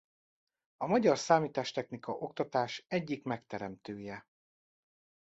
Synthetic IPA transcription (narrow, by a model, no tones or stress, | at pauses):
ɒmɒɟɒrsaːmiːt̪aːʃt̪ɛxnikɒʔo̞kt̪ɒt̪aːʃɛɟːikmɛkt̪ɛɾɛmt̪øːjɛ